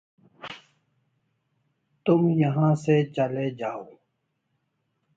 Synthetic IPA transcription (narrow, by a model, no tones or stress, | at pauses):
t̪ʊmjɐɦãːset͡ʃɐled͡ʒaːoː